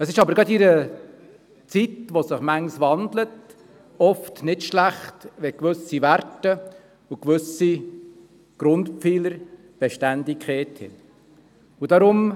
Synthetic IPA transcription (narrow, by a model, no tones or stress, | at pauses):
əsɪʃɑbəɾɡɑd̪iɾə | t͡sitʋosɪχmæŋsʋɑndlət | ɔftnɪtʃlæχtʋɛkʋʉsiʋæɾtə | ukʋɵsi | ɡ̥ɾʊntpfiːləɾ | b̥eʃtændɪkχeːthɪ̰ | ud̥ɑɾʊm